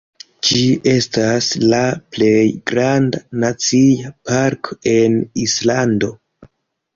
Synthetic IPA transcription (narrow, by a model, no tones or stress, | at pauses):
d͡ʒiʔe̞staslaple̞jɡɾandanat͡sijapaɾkoe̞nislando̞